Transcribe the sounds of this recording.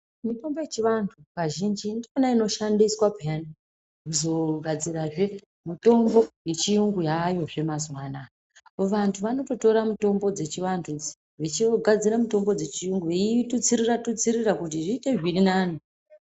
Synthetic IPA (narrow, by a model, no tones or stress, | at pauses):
mito̞mbo̞jet͡ʃiʋantʰukaʒind͡ʒindionaino̞ʃandiswapijani | kuzo̞ɡʱad͡ziraʐe̞ | mito̞mbo̞je̞t͡ʃiuŋɡujajo̞ʐe̞mazwaːna | ʋantʰuʋano̞to̞to̞ɾamuto̞mbo̞d͡ze̞t͡ʃiʋantʰud͡z | ʋit͡ʃiɡʱad͡ziɾamito̞mbo̞d͡ze̞t͡ʃiuŋɡuitut͡siɾiratut͡siɾirakut̬iʐiːte̞ʐirinaːni